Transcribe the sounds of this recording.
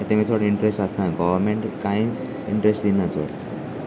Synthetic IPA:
t̪em̤it̪ʰoɽiɳʈɾesʈəsnajɡɔʋəɾmeɳʈkaĩt͡s | ḭɳʈɾesʈd̪inat͡so̰ɽ

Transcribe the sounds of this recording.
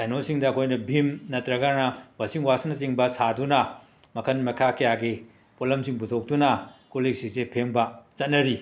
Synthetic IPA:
sajnolsiŋdɐɐkʰojnɐbʱimnɐtɾɐɡanɐbɐsiŋwasɐnɐt͡ʃiŋbɐsadunɐ | mɐkʰɐnmɐkʰakɐjaɡi | polɐmsiŋputʰok̚dunɐkuliksisepʰeŋbɐt͡ʃɐt̚nɐɾi

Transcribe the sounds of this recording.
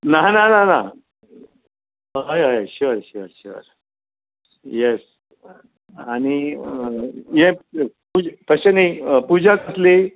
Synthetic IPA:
nananana | ɦajaɕiʋəɾɕiʋəɾɕiʋə̰ɾ | jes | añi | jẽput̪əɕenaipud͡ʑat͡səsli

